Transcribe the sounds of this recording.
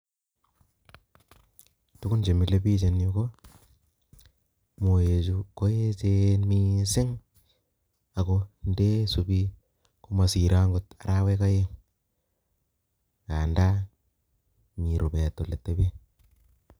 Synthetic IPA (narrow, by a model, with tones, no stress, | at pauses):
tu˦ku˦nd͡ʒe˨mi˨le˦bi˦t͡ʃe˨no˦ko˦ | mo˨e˨t͡ʃu˨ko˦e˦t͡ʃe˦nmi˦sɪ˦ŋ | a˨ko˦nde˦su˨bi˦ | ko˦ma˨si˨ɾa˦ŋɡu˦ta˨ɾa˦we˦ka˦je˦ŋ | ka˨nda˦ | mi˨ɾu˨be˨tːo˨le˨tːe˦be˦